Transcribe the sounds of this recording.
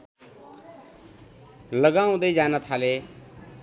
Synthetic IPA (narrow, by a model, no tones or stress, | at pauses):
ləɡaũd̪əid͡ʒanat̪ʰale